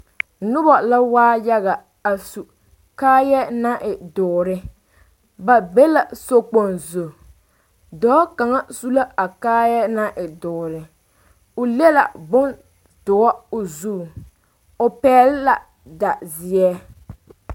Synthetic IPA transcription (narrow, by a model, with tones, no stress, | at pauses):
nʊ˦bɔ˨la˦waː˦ja˦ɣa˨ | a˨su˨ | kaː˦jɛ˦na˦ʔɪ˨dʊː˨ɾɪ˦ | ba˨be˦la˨so˦k͡po˨nzo˨ | dɔː˨˦ka˨ŋa˦su˦la˦a˨kaː˦jɛ˦na˦ʔɪ˨dʊː˨ɾɪ˨ | ʊ˨le˦la̰˨bʊ˦n | dʊ˨a˦o˨zuː˦˨ | o˨pɛː˦lɪ˦la˨ | da˨zɪ˨ɛ˦